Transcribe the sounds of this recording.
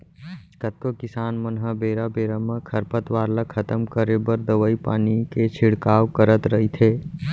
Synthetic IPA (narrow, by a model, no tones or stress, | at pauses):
kət̪̚kokɪsaːnmənɦəbeːɾabeːɾamẽkʰɐɾpət̪ʋaːɾləkʰɐt̪əmkəɾebəɾd̪əʋəipa̰ːniket͡ʃʰɪɽkaːwkəɾət̪ɾɐɦit̪ʰeː